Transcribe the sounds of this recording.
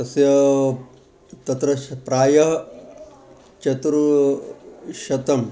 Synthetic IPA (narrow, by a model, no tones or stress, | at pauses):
ɐsjɐ | t̪ɐt̪ɾɐpɾaːjɐɦ | t͡ʃɐt̪ɾu | ʃɐt̪ɐm